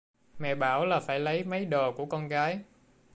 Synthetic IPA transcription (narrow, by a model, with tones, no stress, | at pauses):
mɛ̰˧˨ɓaː˧˩wlaː˨˩faː˧˩jlə˨˦jmə˨˦jɗo˨˩ku˧˩əkɔ˧nɣaː˨˦j